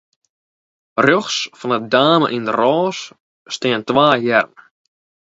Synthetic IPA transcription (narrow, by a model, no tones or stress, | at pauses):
rjɔxsfɔnədaːmə̰ʔindərɔːsː | tɪəntʋaːjɛrn